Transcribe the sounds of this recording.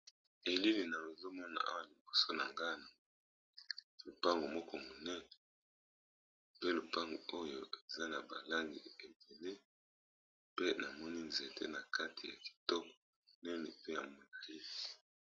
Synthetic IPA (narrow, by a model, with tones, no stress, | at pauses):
e˨li˦li˨na˨lo˨zo˦mɔ˦na̰˨ʔa̰˦wa˨li˨bo˨so˦na˨ŋɡa˦na˨ | lo˨pa˦ŋɡo˨mɔ˦kɔ˦mo˨nɛ˦ne˨ | pe˦lo˨pa˦ŋɡo˨o˦jo˨e˨za˦na˨ba˨la˦ŋɡḭ˨e˨be˨le˦ | pe˦na˨mɔ˦ni˦nze˨tʰḛ˦na˨kʰa˦tʰi˨ja̰˨ki̥˨to˦kɔ˨ | nɛ˦nɛ˨pe˦ja˨mo˨na˨i˦fi̥˨